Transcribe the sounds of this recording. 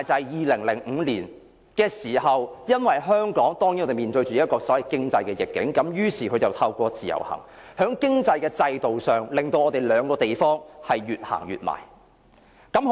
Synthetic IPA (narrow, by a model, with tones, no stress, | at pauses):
jt͡sɐ˨˩jjiː˨lɪ˨˩ŋlɪ˨˩ŋ̩˨˧liː˨˩n | kɛː˧siː˨˩ɦɐ˨wjɐ˥nwɐ˨˩jɦœː˥ŋkɔː˨˥ŋt̪ɔː˥ŋjnɔ˨˧e˨˩miː˨nt̪ɵ˧ɥt͡ʃy˨˧i˥t̚kɔː˧sɔː˨˥wɐ˨˩jkɪ˥ŋt͡sɐ˧jkɛː˧jɪ˨˩kːɪ̰˨˥ŋkɐ˨˧˥mjyː˥siː˨˩kʰɵ˨˧ɥt͡sɐ˨wt̪ʰɐ˧wkʷɔː˧t͡siː˨jɐ̰˨˩whɐ̰˨˩ŋ | hœː˨˥ŋkɪ˥ŋt͡sɐ˧jkɛː˧t͡sɐ˧jt̪o˨wsœː˨ŋlɪ˨ŋt̪o˧wʔɔː˨˧t̪e˨jlœː˨˧ŋkɔː˧t̪e˨jfɔː˥ŋhɐ˨jːyː˨t̚ha̰ː˨˩ŋjy̰ː˨t̚ma̰ː˨˩j | kɐ˨˥m